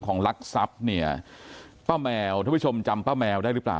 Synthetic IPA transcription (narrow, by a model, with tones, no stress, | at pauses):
kʰɔː˩˦ŋla˦˥k̚sa˦˥p̚ni˥˩ɐpaː˥˩wmɛː˧wt̪ʰaː˥˩˥o˧mt͡ɕa˧mpaː˥˩mɛː˧wda˥˩jɾɯ˦˥pla̰ː˨˩